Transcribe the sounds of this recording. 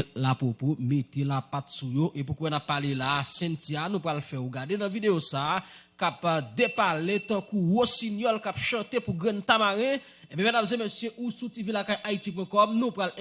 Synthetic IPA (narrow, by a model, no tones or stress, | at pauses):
lapopomet̪elapat̪sujoʔep̬ukwɛnapːalelasɛ̃ntianũpɣalfɛuɡadenɐ̃videosa | kapd̪epalet̪ɐ̃kuwosinjɔlkapʃɐ̃t̪epuɡɣɛ̃nt̪amaɣɛ̃ | ebɛ̃mɛ̃nabzɛ̃mɛsjeʔusutivilakajʔaitip̬wɛ̃kɔmnũpɣal